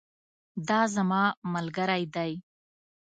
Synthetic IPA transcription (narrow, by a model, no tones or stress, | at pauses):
d̪ɑːzamɑmalɡaɾajd̪aj